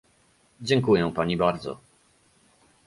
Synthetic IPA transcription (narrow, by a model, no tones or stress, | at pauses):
d͡ʑɛŋkujɛ̃paɲibaɾd̪zɔ̰